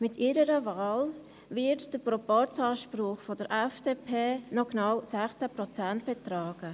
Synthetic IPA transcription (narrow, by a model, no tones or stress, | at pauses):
mɪtiːɾəɾəvaːl | vɪɾtd̥əpɾɔpɔt͡sɑːʃpɾʊχfɔd̥əɾʔɛfd̥eːpʰeːnɔknawsɛχt͡sæpɾɔt͡sɛnt̚b̥ɛtɾaːɡ̥ə